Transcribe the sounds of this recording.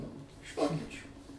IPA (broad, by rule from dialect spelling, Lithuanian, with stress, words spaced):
ɪʃ ˈʋoːkʲɛt͡ʃʲuː